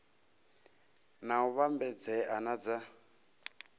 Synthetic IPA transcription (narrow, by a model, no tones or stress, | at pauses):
nauβambɛd͡zɛʔanad͡za